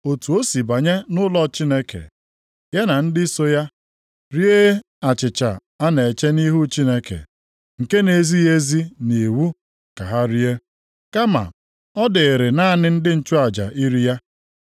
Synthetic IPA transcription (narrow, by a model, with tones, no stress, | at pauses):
o˨tu˨o˦si˨ba˨ɲe˦nʊ˦lɔ˦t͡ʃi˦ne˦kḛ˨ | ja˦na˨n̩˦dɪ˦i˦so˦ja˦ | ɾi˦e˦ | a˨t͡ʃɪ˨t͡ʃa̰˨ | a˦ne˨e˨t͡ʃe˦ni˦ɦu˦t͡ʃi˦ne˦kḛ˨ | ŋ̩˨ke˦ne˨zi˦e˦zi˦ni˨wu˦ | ka˨ɦa˦ɾi˦e˦ | ka˦ma̰˨ | ɔ˦dɪ˨ɾɪ˨na˦˨nɪ˦n̩˦dɪ˦n̩˦t͡ʃʊ˦a˨d͡ʒa̰˨ʔi˦ɾi˦ja˦